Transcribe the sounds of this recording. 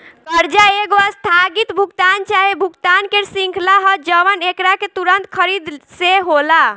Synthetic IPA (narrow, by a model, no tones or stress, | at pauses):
kəɾd͡ʒaeɡoast̪ʰaɡit̪bʱukt̪ant͡ʃaɦebʱukt̪ankeɾsĩŋkʰlaɦəd͡ʒəʋənekɾaket̪uɾənt̪kʰəɾid̪seɦola